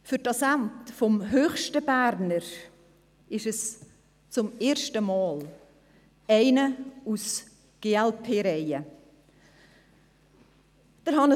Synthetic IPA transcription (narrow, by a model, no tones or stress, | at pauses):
fʏɾtɑsæntfɔmɦøːχʃtəb̥æːɾnəɾ | ɪʃɛs | t͡sʊmeːɾʃtəmɑːl | æɪnəus | ɡ̥eːɛlpʰeːɾɛɪə | d̥əɾɦɑnə